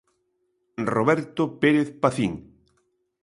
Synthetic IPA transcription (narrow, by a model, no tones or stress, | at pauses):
roβɛɾt̪opeɾeθpaθiŋ